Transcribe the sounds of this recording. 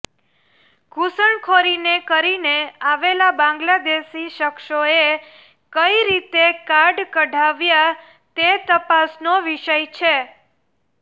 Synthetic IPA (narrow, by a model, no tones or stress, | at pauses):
ɡʱusəɳkʰoɾinekəɾineaʋelabãŋɡlad̪eʃiʃəkʃoe | kəiɾit̪ekaɾɖkəɖʱaʋja | t̪et̪əpasnoʋiʃəjt͡ʃʰe